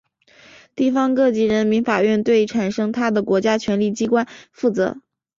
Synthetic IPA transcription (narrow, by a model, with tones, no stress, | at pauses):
t̪i˥˩fɑ˥ŋkɤ˥˧t͡ɕi˧˥ɻə˧˥nmi˧˥nfa˨˩ɥɛ˥˧nt̪we˥˩ɪʈ͡ʂʰa˨˩nʂɤ˥ŋt̪ʰa˥d̪ə˨kwɔ˧˥t͡ɕja˥t͡ɕʰɥɛ˧˥nli˥˩t͡ɕi˥kwa˥nfu˥˩t͡sɤ̰˧˥